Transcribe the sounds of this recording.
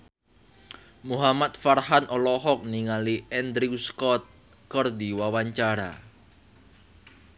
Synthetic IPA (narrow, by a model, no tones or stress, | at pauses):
muɦamat̪̚farhanʔɔlɔɦɔk̚niŋaliɛnd̪ɾiuskɔt̪̚ | kərd̪iwawaɲt͡ʃaɾa̰